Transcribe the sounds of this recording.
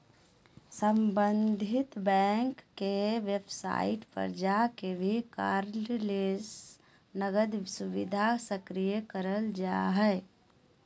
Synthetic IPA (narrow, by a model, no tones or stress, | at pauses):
səmbənd̪ʱit̪bɛ̃ŋkːeʋebsa̰iʈpə̰ɾd͡ʒakebʱikaɾlles | nəɡəd̪subid̪ʱasəkɾijəkəɾəld͡ʒa̰ɦɛɪ